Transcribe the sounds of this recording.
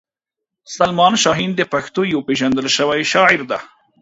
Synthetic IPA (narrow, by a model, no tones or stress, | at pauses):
salmɑnʃɑɦind̪əpaxt̪ojawpeʒand̪əlʃəwajʃɑʕɪɾd̪a